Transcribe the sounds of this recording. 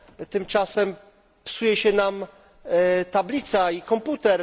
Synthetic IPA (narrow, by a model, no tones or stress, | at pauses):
t̪ɘmt͡ʂasɛm | psujɛɕɛnam | t̪ablʲit̪saikɔmput̪ɛɾ